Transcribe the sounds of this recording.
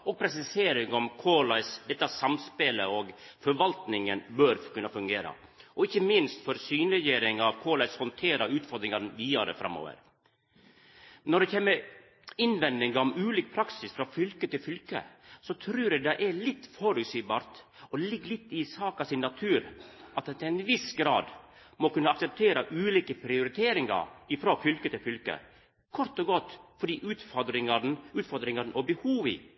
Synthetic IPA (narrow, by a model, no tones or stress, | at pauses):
ɔɡ̚pʰɾɛs̬ɪseːɾɪŋɔmkʰoːlɑɪsd̪ɛt̪ːəæsɑmspeləɔɡ | fɔɾʋɑlt̪nɪŋənbøːɾkʰʉnːɑfʉŋɡeːɾɑ̰ʔɔɪçːəmɪnst̪fɔɾsyːnɾɛjeːɾɪŋɑʋkʰoːlɑɪshɔnt̪ʰeːɾɑʉːt̪fɔɾd̪ɾɪŋɑɾʋiːɑɾə̰fɾɑ̰mo̰ːʋə̰ɾ | nɔɖ̪ɛçɛːmːə | ɪnʋɛnd̪ɪŋɡɑɔmʉːliːk̚pʰɾɑksɪsfɾɑfʏlkət̪ɪlfʏlkə̰sɔt̪ʰɾʉːɾɛd̪ɛʔɛɭɪt̪ːfɔɾʉsyːbɑːɾt̪ | ɔlɪɡːlɪt̪ːɪsɑːkɑsɪnːɑt̪ʰʉːɾɑt̪ɛt̪ʰɛnʋɪsɡɾɑːd̪ | mɔkʉnːəɑksɛp̚t̪ʰeːɾəʔʉːliːkəpʰɾɪʊɾɪt̪ʰeːɾɪŋɑ̰ɾɪfɾofʏlkət̪ʰɪlfʏlkə̰ | kʰɔɾt̪ɔɡɔt̪ːfɔɖiːʔʉːt̪fɔd̪ɾɪŋɑnʉːt̪fɔɾd̪ɾɪŋɑɾn̩ʔɔbəhuːʋḭː